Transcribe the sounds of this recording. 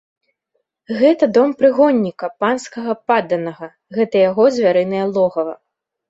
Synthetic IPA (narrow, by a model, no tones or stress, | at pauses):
ɣɛt̪ɐd̪ɔmpɾɨɣɔnʲːikɐpanskɐɣɐpad̪ɐnɐɣɐ | ɣɛt̪ɐjaɣɔzʲvʲaɾɨnɐjɐlˠɔɣɐvɐ̰